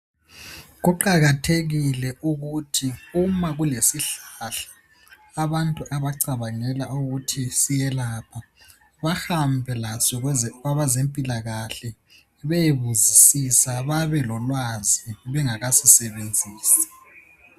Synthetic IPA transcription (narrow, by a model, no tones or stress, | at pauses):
ɣuǃaɣatʰeɣilɛʔuɣutʰiumaɣulesiɬaɬḁː | βantʼuʔaβaǀaβaŋɛlauɣutʰisijɛlaːpʰa | βaxambʱɛlasɔɣwaβazempʼilaɣaɬɛ | βejeβuzisisaβaβɛlɔlwaziβɛŋaɣasisɛβend͡zʱiːsḁ